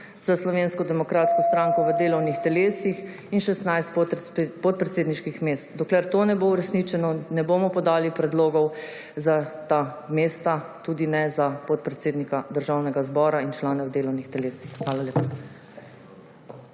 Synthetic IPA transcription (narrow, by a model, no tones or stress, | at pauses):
z̥aslɔʋeːnskɔd̪ɛmɔkɾaːt̪skɔst̪ɾaːŋkɔʋəd̪eːlɔwnixt̪ɛleːsix | inʃɛst̪najst̪pɔt̪̚pɾɛt̪seːd̪niʃkixmeːst̪d̪ɔklɛɾt̪onɛboːuɾɛsnit͡ʃɛnɔnɛboːmɔpɔd̪aːlipɾɛd̪loːɡɔw | zat̪ameːst̪at̪uːd̪inɛzapɔt̪̚pɾɛt̪seːd̪nikad̪əɾʒawnɛɡazbɔːɾaint͡ʃlaːnɛwd̪eːlɔwnixt̪ɛleːsixxʋaːlaleːpa